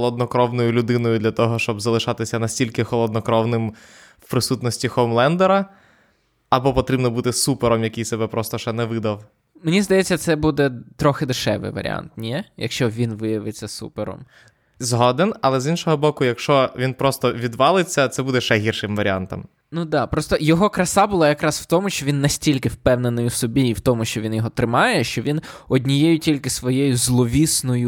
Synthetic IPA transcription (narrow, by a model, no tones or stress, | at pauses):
lˠɔd̪nɔkɾɔwnɔjʊlʲʊd̪ɪnɔjʊd̪lʲɐt̪ɔɦɔʃt͡ʃɔbzɐlˠɪʃɑt̪ɪsʲɐnɐsʲtʲilʲkɪxɔlˠɔd̪nɔkɾɔwnɪm | wpɾɪsut̪nɔsʲtʲixɔmlˠɛnd̪ɛɾɐ | ɐbɔpɔt̪ɾʲibnɔbut̪ɪsupeɾɔmjɐkijsɛbɛpɾɔst̪ɔʃɛnɛʋɪd̪ɐw | menʲizd̪ɐjɛt͡sʲːɐt̪sɛbud̪ɛt̪ɾɔxɪd̪ɪʃɛ̰ʋɪ̰jʋɐ̰ɾʲɪ̰a̰nt̪nʲɛjɐ̰kʃt͡ʃɔʋʲinʋɪjɐʋɪt͡sʲːɐsṵpeɾɔ̰m | zɦɔd̪enɐlˠɛzinʃɔɦɔbɔkʊjɐkʃt͡ʃɔʋʲinpɾɔst̪ɔʋʲid̪ʋɑlˠɪt͡sʲːɐt̪sɛbud̪ɛʃɛɦʲirʃɪmʋɐɾʲia̰nt̪ɔ̰m | nud̪ɑpɾɔst̪ɔjɔɦɔkɾɐsɑbʊlˠɑjɐkɾɑsw̥t̪ɔmʊʃt͡ʃɔʋʲinːɐsʲtʲilʲkɪwpɛwnenɪjʊwsɔbʲiːwt̪ɔmʊʃt͡ʃɔʋʲinjɔɦɔt̪ɾɪmɑjɛʃt͡ʃɔʋʲinɔdʲnʲijɛjʊtʲilʲkɪsʋɔjɛjʊzlˠɔʋʲisnɔjʊ